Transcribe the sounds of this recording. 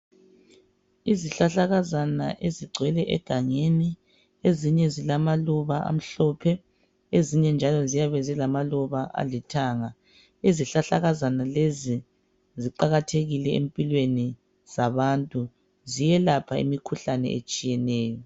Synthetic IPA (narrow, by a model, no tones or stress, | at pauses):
iziɬaɬaɣazana̰ʔeziɡ͡ǀʱwɛlɛʔɛ̰ɡ̥ʱaŋeni | eziɲɛzilamaluβaʔa̰m̩ɬɔpʰɛ | eziɲɛnd͡ʒʱalɔzijaβɛzɛlamaluβaʔa̰litʰaːŋa | iziɬaɬaɣazanalezi | ziǃaɣatʰeɣilɛḛmpʼilweni | z̥aβantʼu | zijɛlapʰaḭmikʰuɬanɛ̰et͡ʃʼijɛnɛːjɔ